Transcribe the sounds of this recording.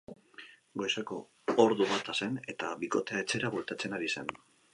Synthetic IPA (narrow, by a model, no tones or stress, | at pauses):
ɡojsako̞ | oɾðuβat̪ase̞ne̞t̪aβiko̞t̪e̞ae̞t͡se̞ɾaβult̪at͡se̞naɾise̞n